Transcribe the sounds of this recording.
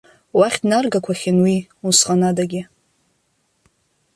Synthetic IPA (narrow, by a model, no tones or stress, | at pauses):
waχʲdnarɡakʷʰaχʲɪnwiunsqʼanadaɡʲɪ